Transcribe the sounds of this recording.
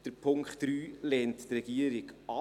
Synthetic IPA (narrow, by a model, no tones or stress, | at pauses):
d̥əɾpʰʊŋkχtɾyːlɛːnttrɛɡiəɾɪɡɑ